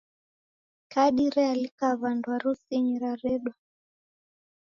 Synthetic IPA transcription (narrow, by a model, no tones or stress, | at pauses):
kaɗiɾɛalikaβandwaɾusiɲiɾaɾɛɗwa